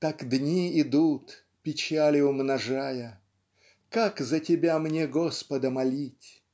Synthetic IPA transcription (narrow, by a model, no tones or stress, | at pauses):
t̪akd̪nʲiɪd̪ut̪ | pʲɪt͡ɕalʲɪʊmnɐʐajə | kakzətʲɪbʲamnʲeɡospəd̪əmɐlʲitʲ